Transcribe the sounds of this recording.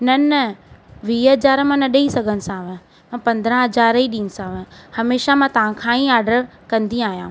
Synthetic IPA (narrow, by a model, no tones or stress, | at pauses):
nɐn | ʋiːɦɐd͡ʑaːɾmãnɐɗɐisɐɡʱənɪ̆sãːʋə̃ | mãpɐ̃nd̪ɾə̃ɦɐd͡ʑaːɾiɗĩːnɪ̆sãːʋəhɐmeːʃamãːt̪ɐʋ̤ãkʰãːĩaːɾɖəɾkɐ̃nd̪ĩaːɦijãː